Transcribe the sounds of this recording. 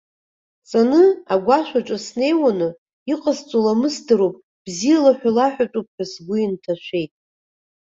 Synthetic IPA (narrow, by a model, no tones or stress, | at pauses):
t͡sʼanɨaɡʷaʃᶣʷat͡ʃʷʼasne̞jwanɨ | iqʼazt͡sʷʼolamɨsdɨɾopʼ | b̥zijalaħʷᶣalaħʷᶣat͡ʃʼup̚ʰʼħᶣasɡʷiintʰaʃʷe̞jtʼ